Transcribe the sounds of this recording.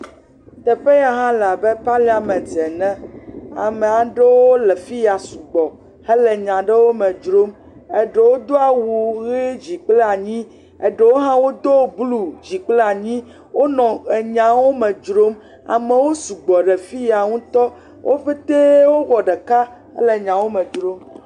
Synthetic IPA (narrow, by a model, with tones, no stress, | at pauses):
t̪ɛ˨ɸe˦ja˨ɦã˦la˨be˦pa˦li˦a˨mɛ̃˨d͡zɛ˨nɛ̃˦a̰˨mɛ˨a˨ɖe˦wo˦lɛ˨fi˦ja˨su˨ɡ͡bɔ˨ | he˦lɛ˨ɲã˨ɖɛ˦wo˦mɛ̃˨d͡ʒɾo˦m | e˨ɖe˨wo˦d̪o˦a˨wu˨ɣe˦d͡ʑi˨k͡ple˦a˨ɲĩ˦ | e˨ɖɛ˦wo˦ɦã˦wo˦d̪o˦˨blu˦˨d͡ʑi˨k͡ple˦a˨ɲĩ˦ | wo˦nɔ̃˨e˨ɲã˨wo˦mɛ̃˨d͡ʒɾo˦m | a̰˨mɛ̃˨wo˦su˨ɡ͡bɔ˨ɖe˨fi˦ja˨ŋũ˦t̪ɔ˦ | wʔo˦ɸe˦t̪e˦wo˦ɣɔ˨ɖɛ˨ka˦ | hḛ˦le˨ɲã˨wo˦mɛ̃˨d͡ʒɾo˦m